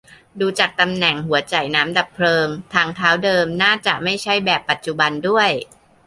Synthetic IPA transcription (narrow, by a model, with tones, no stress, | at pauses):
duː˧t͡ɕaː˨˩k̚t̪a˧mnɛ˨˩ŋhu˩˦ɐt͡ɕa˨˩jnaː˦˥mda˨˩pʰlɤː˧ŋt̪ʰaː˧ŋt̪ʰaː˦˥wdɤː˧mnaː˥˩t͡ɕa̰˨˩ma˥˩jt͡ɕʰa˥˩jbɛː˨˩pːa˨˩t̪̚t͡ɕu˨˩ba˧ndu˥˩əj